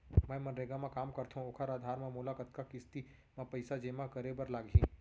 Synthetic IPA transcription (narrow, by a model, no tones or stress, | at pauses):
mɛ̃ːmɐnɾeːɡamãkaːmkɐɾt̪ɦũokʰəɾaːd̪ʱaːɾmẽmuːlakət̪kakɪst̪i | mãpɐɪsad͡ʒeːmakɐɾebɐɾlaːɡɦĩː